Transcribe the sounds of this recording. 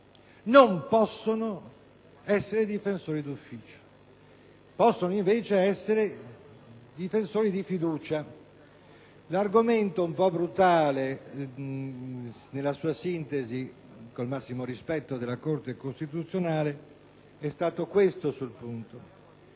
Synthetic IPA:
nompɔsːono | ɛsːeɾed̪ifensoːɾid̪ufːiːt͡ʃo̥ | pɔsːonoiɱveːt͡ʃeɛsːeɾe | d̪ifensoːɾid̪ifid̪uːt͡ʃa | larɡoment̪oumpɔbɾut̪aːle | nelːasuːasint̪ezi | kolmasːimoɾispɛt̪ːod̪elːakort̪ekost̪it̪ut̪sːjonaːle | ɛst̪aːt̪okwest̪osulpunt̪o

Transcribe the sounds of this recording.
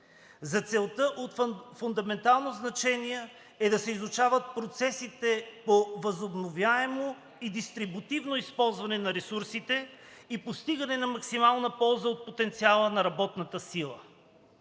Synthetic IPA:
zɐt̪sɛlˠt̪əʔot̪fʊnd̪ɐmɛnt̪alˠnoznɐt͡ʃɛniɛ | ɛd̪ɐsɛizut͡ʃavət̪̚pɾot̪sɛsit̪ɛpovɐzobnovʲjaɛmo | id̪ist̪ɾibut̪ivnoispɔlˠzvɐnɛnɐɾɛsuɾsit̪ɛipost̪iɡɐnɛnɐmɐksimalˠnəpɔlˠzəot̪̚pot̪ɛnt̪sialˠənɐɾɐbɔt̪nət̪əsilˠə

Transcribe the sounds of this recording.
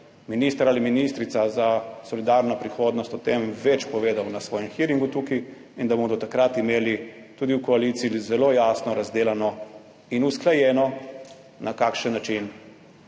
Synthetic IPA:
minist̪əɾaliminist̪ɾit̪sazasɔlid̪aːɾnapɾixoːd̪nɔst̪ɔt̪emʋɛt͡ʃpɔʋeːd̪awnasʋɔːjɛmxiːɾiŋɡut̪uːki | ind̪abod̪ɔt̪akɾat̪imeːli | t̪uːd̪iwkɔalit̪siizɛloːjaːsnɔɾazd̪eːlanɔ | inusklajɛːnɔ | nʔakaːkʃənːat͡ʃin

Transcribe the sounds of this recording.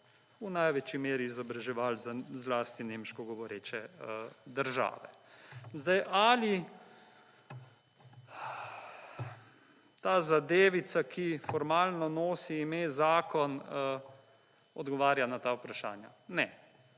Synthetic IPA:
unajʋɛt͡ʃimeːɾiːzɔbɾaʒɛʋalzazlast̪inemʃkɔɡɔʋɔɾeːt͡ʃɛəd̪əɾʒa̰ːʋɛ̰zd̪ajʔali | t̪aːzad̪eːʋit̪sakʰifɔɾmaːlnɔnoːsiːmeːzaːkɔnə | ɔd̪ɡɔʋaːɾjanat̪awpɾaʃa̰ːnja̰ | nɛ

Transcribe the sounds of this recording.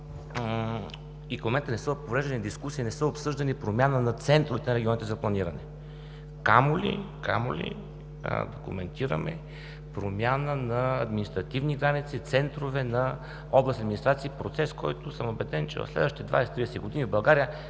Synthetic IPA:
ikmomɛnt̪ənɛsɤpovɾɛʒd̪enʲid̪iskusiːnɛsəopsɤʒd̪ɐnipɾomʲjanənɐt̪sɛnt̪ɾovɛt̪ɛnɐɾɛɡʲiɔnit̪ɛzɐplˠɐniɾɐnɛ | kamolḭka̰mo̰lḭ | d̪okṵmɛnt̪iɾə̰mɛ̰ | pɾomʲjanənɐːd̪minist̪ɾɐt̪ivniɡɾanit̪sit̪sɛnt̪ɾovɛnɐ | ɔblˠsəd̪minist̪ɾat̪siːpɾot̪sɛskɔjt̪ʊsəmobɛd̪ɛnt͡ʃɛ̰vɐ̰fslɛ̰d̪vəʃt̪it̪ɛd̪va̰jsɛ̥t̪ɾid̪ɛsɛɡod̪inivbɐlˠɡaɾijə

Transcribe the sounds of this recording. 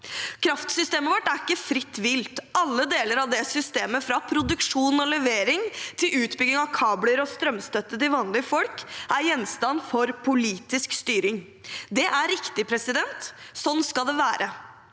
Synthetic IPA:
kʰɾɑft̪sʏst̪eːməʋɔʈːæɾɪkːəfɾɪt̪ːʋɪlt̪ɑlːəd̪eːləɾɑʋd̪ɛsʏst̪eːməfɾɑpʰɾʊd̪ʉkʂuːnɔlɛʋeːɾɪŋt̪ʰɪlʉːt̪bʏɡɪŋɑʋkʰɑːbləɾɔst̪ɾœmst̪œt̪ːət̪ɪlʋɑːnlɪəfɔlkʔæɾjɛnst̪ɑnːfɔɾpʰʊliːt̪ɪskst̪yːɾɪŋ | d̪ɛʔæɾɪkt̪ɪpʰɾɛsɪd̪ɛnt̪sɔnːskɑld̪ɛʋæːɾə

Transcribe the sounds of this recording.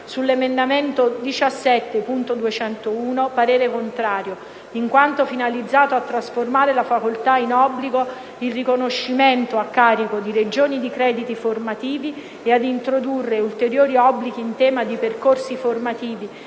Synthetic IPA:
sulːemend̪ament̪od̪it͡ʃasːɛt̪ːepunt̪od̪uet͡ʃɛnt̪ouːnopaɾeːɾekont̪ɾaːɾjo | iŋkwant̪ofinalid̪zːaːt̪oat̪ːɾasformaːɾelafakolt̪ainɔbːliɡo | ilrikonoʃːiment̪oakːaːɾikod̪iɾed͡ʒoːnid̪ikɾɛːd̪it̪iformat̪iːvi | ead̪int̪ɾod̪urːeult̪eɾjoːɾiɔbːlik̟iːnt̪ɛːmad̪iperkorsiformat̪iːvi

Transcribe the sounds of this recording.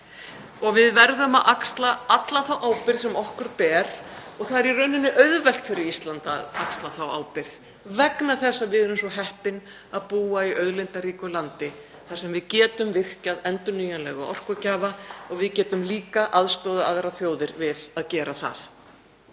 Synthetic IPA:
ɔɣvɪðvɛɾðʏmaðʔakst̪laat̪laθawʔaːwpɪɾðsɛmɔhkʏɾpɛːɾ̥ɔɣθaðɛɾirœnɪnːɪʔœɥðvɛl̥t̪fɪɾɪɾist̪lant̪a̰ðakst̪laθawa̰ːwpɪɾð | vɛknaθɛsːavɪðɛɾʏmsɔɦɛhpɪn | aðpuːaiʔœðlɪnt̪aɾiːkʏlant̪ɪ | θasɛmvɪðcɛːt̪ʏmvɪr̥caðɛnt̪ʏnyːjanlɛ̰ɣɔ̰ɔ̰r̥kʏcaːvaɔɣvɪðcɛːt̪ʏmliːkaʔaðst̪ɔːðaaðɾaθjoːwðɪɾvɪðaðcɛːɾaθa̰ð

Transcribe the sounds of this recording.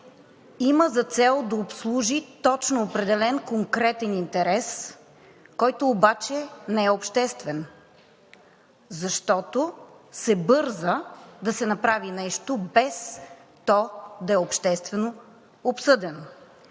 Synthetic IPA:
iməzɐt̪sɛlˠd̪ɐopslˠuʒit̪ɔt͡ʃnoːpɾɛd̪ɛlɛnkoŋkɾɛt̪ɛnint̪ɛɾɛs | kɔjt̪oːbat͡ʃɛnɛɛopʃt̪ɛst̪vɛn | zɐʃt̪ɔt̪osɛbɤɾzəd̪ɐsɛnɐpɾavinɛʃt̪obɛst̪ɔd̪ɐɛopʃt̪ɛst̪vɛno | opsɤd̪ɛn

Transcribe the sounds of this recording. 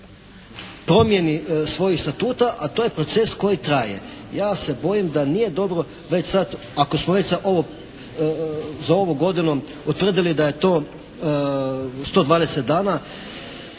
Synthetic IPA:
pɾo̞mje̞nisʋo̞jixst̪at̪uːt̪aʔat̪oje̞pɾot̪se̞sko̞jit̪ɾajḛjaːse̞bo̞jimd̪anije̞d̪o̞bɾo | ʋet͡ɕsat̪ | akosmoʋet͡ɕzaʔo̞ʋo | zao̞ʋuɡo̞d̪inu | ut̪ʋr̩d̪ilid̪aje̞t̪o̞ː | st̪o̞d̪ʋaːd̪eset̪̚d̪aːna

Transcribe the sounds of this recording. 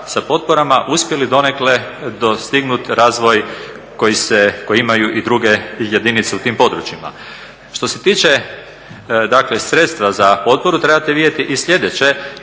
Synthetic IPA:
sapo̞t̪̚poɾamaʔuspjelid̪o̞nekle̞d̪ost̪iɡnut̪ɾaːzʋo̞j | ko̞jiseko̞jimajuʔid̪ɾuɡe̞je̞d̪init̪seut̪iːmpo̞d̪ɾut͡ɕima̰ | ʃt̪o̞se̞t̪iːt͡ʃe̞ | d̪akle̞sɾe̞t̪st̪ʋazapo̞t̪̚poɾut̪ɾebat̪eʋid̪je̞t̪iʔisʎʲe̞d̪et͡ɕe̞

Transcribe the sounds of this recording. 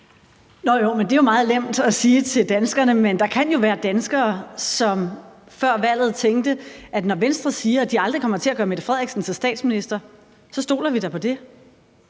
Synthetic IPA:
nɒjomend̥e̝jomɑ̈ːð̞̩ˠlem̰d̥æsiːt͡sʰe̝ld̥ænsɡ̥ɐnəmend̥ɑ̈kʰænjo̝ʋæːɐd̥ænsɡ̥ɐːsɒ̽m | fɶɐ̰ʋæl̰ð̞̩ˠt͡sʰeŋɡd̥əʔæd̥nɒʋensd̥ʁɐsiːɐæd̥iɑ̈ld̥ʁikʰɒ̽m̰ɐt͡sʰe̝læɐɡ̥ɶːɐmed̥ɐfʁɛð̰ˠɡ̥sn̩sʰesd̥ɛ̰ːd̥sminisd̥ɐ | sɒ̽sd̥o̝̰ːlɐʋid̥ɑ̈pʰɒ̽d̥e̝

